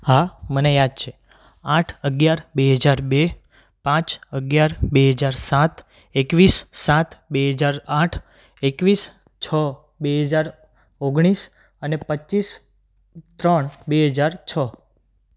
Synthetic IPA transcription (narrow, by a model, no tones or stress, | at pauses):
ɦamənejad̪̚t͡ʃʰe | ãʈʰəɡjaɾbeɦəd͡ʒaɾbe | pãt͡ʃəɡjaɾbeɦəd͡ʒaɾsat̪ʰ | ekʋisːat̪ʰbeɦəd͡ʒaɾaʈʰ | ekʋis | t͡ʃʰɔ | beɦəd͡ʒaɾ | oɡɽ̃is | ənepət͡ʃːis | t̪ɾəɳbeɦəd͡ʒaɾt͡ʃʰɔ